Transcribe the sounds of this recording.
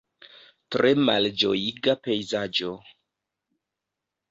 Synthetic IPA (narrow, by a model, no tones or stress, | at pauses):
tɾemald͡ʒo̰jiɡape̞jzad͡ʒo